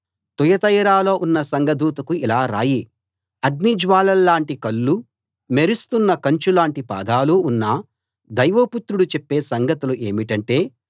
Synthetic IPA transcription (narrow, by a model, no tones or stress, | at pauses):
t̪ujɐt̪ɐjɾaːlo̞ːʔunːɐsɐŋɡɐd̪uːt̪ɐkuilaːɾa̰ːji | ɐɡ̪nid͡ʒʋaːlɐlːaːɳʈikɐlːu | meɾust̪unːɐkɐɲt͡ʃulaːɳʈipa̰ːd̪ʱaːluːnːɐ | d̪ɐjʋɐput̪ɾuɽut͡ʃepːe̞ːsɐŋɡɐt̪uluʔe̞ːmiʈɐɳʈe̞ː